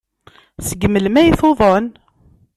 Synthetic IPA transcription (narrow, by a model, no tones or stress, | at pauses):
səɡəmːəlmæjiθoðˤən